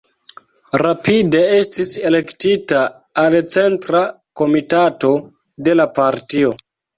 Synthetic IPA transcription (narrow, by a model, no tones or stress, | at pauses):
ɾapide̞e̞stise̞le̞ktitaː | lt͡se̞ntɾa | ko̞mitato̞ | de̞lapaɾtio̞